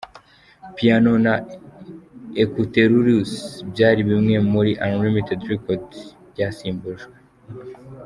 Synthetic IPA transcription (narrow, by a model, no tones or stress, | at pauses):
piano̞na | ekuteɾuɾusbjaːɾiβimŋe̞muɾiʔanlimitedɾekodbɟasiːmbuʒɡwe